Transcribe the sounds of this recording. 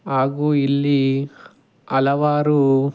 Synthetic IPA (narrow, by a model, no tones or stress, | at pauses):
aːɡuilːi | ɐlɐʋaːɾu